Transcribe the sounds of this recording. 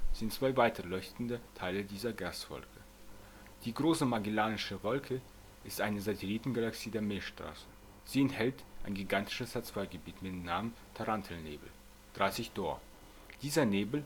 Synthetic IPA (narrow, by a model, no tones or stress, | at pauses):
z̥ɪntt͡sv̥aɪvaɪtɐlɔʏçtn̩dətʰaɪlədiːzɐɡastv̥ɔ̰lkʰə | d̥iːɡʁoːsəmaɡilaːnɪʃəvɔlkʰə | ʔɪstʔaɪnəzatʰeliːtn̩ɡalaksiːdeːɐmɪlʃtʁ̥a̰ːsə̥ | z̥iːɛnthɛltʔaɪnɡiɡantɪ̥ʃəshat͡sv̥aɪɡəbiːtmɪtmnaːmən | tʰaʁantʰl̩nḛːbl̩ | d̥ʁaɪsɪçd̥ɔːɐ | d̥iːzɐneːbl̩